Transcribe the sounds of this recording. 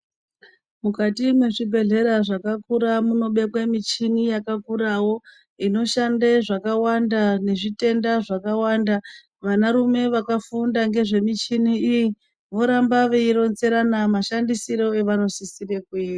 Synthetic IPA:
mukatimwe̞ʐibʱe̞ɮe̞ɾaʐakakuɾamuno̞ɓe̞kwemit͡ʃinijakakuɾawo̞ | ino̞ʃandeʐakawandane̞ʐite̞ndaʐakawaːnda | ʋanaɾume̞ʋakafundaŋɡe̞ʐe̞mit͡ʃiniiji | ʋo̞ɾambaʋeiɾo̞nze̞ɾanamaʃandisiɾo̞e̞ʋano̞sisirekuiːa

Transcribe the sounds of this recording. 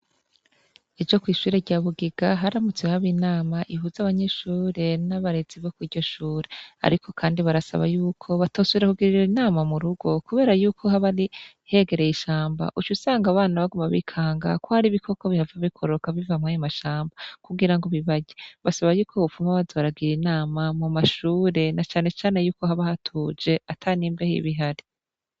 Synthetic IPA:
ed͡ʒo̞kwiːʃuːɾe̞ɾɟaːβuɡiɡ̥aɦaɾamut͡swehaβinaːmaʔiɦuzaβaɲe̞ʃuːɾe̞naβaɾe̞ziβokwiːɾɟo̞ʃuːɾea̰ɾikʰo̞kʰaːndiβaɾasa̰βa̰juːkʰo̞βatosuβiɾakuɡiɾiɾinaːmamuɾuɡo̞kuβeːɾajuːkʰo̞haβaɾi | he̞ɡe̞ɾe̞jiʃaːmba̰ʔut͡ʃusaːŋɡaβaːnaβaɡumaβḭkʰaːŋɡa̰kohaɾiβikʰo̞koβihavaβikʰoɾo̞kavivamŋajamaʃaːmbakuɡiɾaŋɡo̞βiβaɟeβasaβajuːkʰoβufumaβazoβaɾaɡiɾinaːmamumaʃuːɾe̞nat͡ʃaːne̞t͡ʃaːne̞juːko̞haβahatʰuːd͡ʒe̞atʰaniːmbe̞hḭβiɦaɾi̥

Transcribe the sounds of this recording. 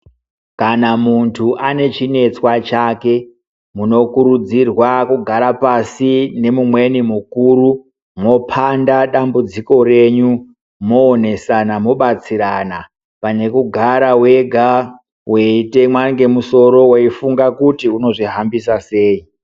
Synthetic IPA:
kanamuntʰuʔane̞t͡ʃine̞t͡swat͡ʃake̞ | muno̞kuɾud͡zirwakuɡʱaɾapasine̞mumwe̞nimukuɾu | mo̞pʰandaɗambud͡ziko̞re̞ɲu | mo̞ːne̞sanamo̞ɓat͡siɾana | pane̞kuɡʱaɾawe̞ɡʱa | we̞ite̞mwaŋɡe̞muso̞ɾo̞weifuŋɡakutiuno̞ʐiɦambisase̞ːi

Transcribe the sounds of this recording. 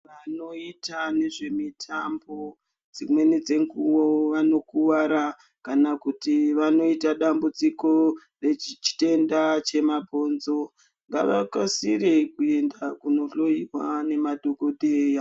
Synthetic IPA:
ʋano̞itaneʐe̞mitʰambo̞ | d͡zimwe̞ned͡ze̞ŋɡuwoʋano̞kuʋaɾa | kanakutiʋano̞itaɗambut͡siko̞ | re̞t͡ʃit͡ʃi̥te̞ndat͡ʃe̞mabʱo̞nzo̞ | ŋɡa̰ʋa̰kasiɾekue̞ndakuno̞ɬo̞iwa̰ne̞maɗʱo̞ko̞dʱeja

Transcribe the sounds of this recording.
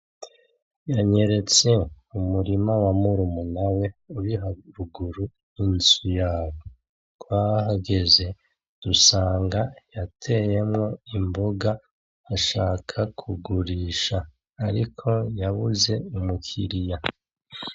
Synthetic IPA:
jaɲe̞ɾe̞t͡se̞ | umuɾimawamuɾumunawe̞uɾiɦaɾuɡuɾu | insujaːβo | kwahaɡe̞ze̞ | d̥usaːŋɡajatʰe̞je̞mŋo̞imboɡa | haʃaːkʰakʰuɡuɾiːʃaː | ɾikʰo̞jaβuze̞umukʰiɾija

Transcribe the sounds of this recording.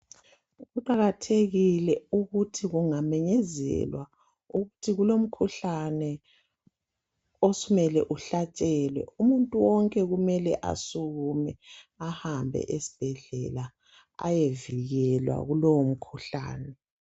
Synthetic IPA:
ɣuǃaɣatʰeɣilɛuɣutʰiɣuŋamɛɲɛzɛ̰lwa | uɣutʰiɣulom̩kʰuɬanɛ | osumɛlɛʔuɬat͡ʃʼɛːlwɛ̰umuntʼuwɔŋkʼɛɣumɛlɛ̰ʔa̰suɣumɛahambʱɛ̰ʔesi̥b̥ʱɛɮɛla | a̰jeviɣɛlwa̰ɣulowom̩kʰuɬa̰ːnɛ

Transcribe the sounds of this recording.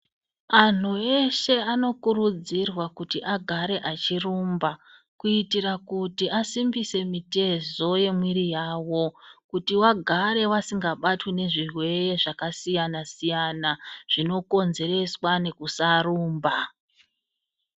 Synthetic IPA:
an̤ue̞ʃe̞ano̞kuɾud͡zirwakutiʔaɡʱaɾe̞ʔat͡ʃirumba | kuitiɾakutiasimbise̞mite̞zo̞je̞mwiɾijaːwo̞kutiwaɡʱaɾe̞ʋasiŋɡaɓatwine̞ʐirwe̞ɾe̞ʐakasijanasijanaʐ̥ino̞ko̞nze̞ɾe̞swane̞kusaruːmba

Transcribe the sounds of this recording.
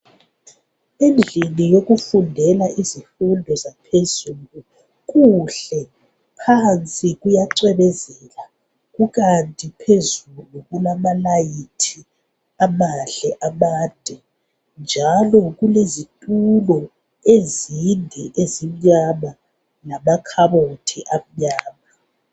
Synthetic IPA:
end͡ɮʱilijoɣufundʱɛlaʔizifundʱɔzapʰezulu | k̬uɬɛ | pʰant͡sʼiɣujaǀɛβɛzɛla | ɣuɣantʼipʰezuluɣulamalajitʰi | amaɬɛʔamaːnd̥ʱɛ | nd͡ʒʱalɔɣ̬ulezitʼulɔ | ezindʱɛʔezim̩ɲama | lamakʰaβotʰiʔam̩ɲaːma

